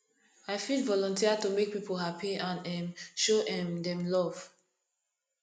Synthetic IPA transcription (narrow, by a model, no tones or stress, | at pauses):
aɪfidvɔlɔ̃ntiatumek̚pipʰolɦapiãnɛmʃoʔɛmdɛ̃mlɔv̥